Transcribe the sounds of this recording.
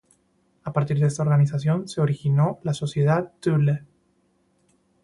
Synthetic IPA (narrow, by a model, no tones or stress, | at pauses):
apaɾt̪iɾðest̪ao̞ɾɣanis̬asjo̞nse̞oɾixinolaso̞sjeð̞att̪yle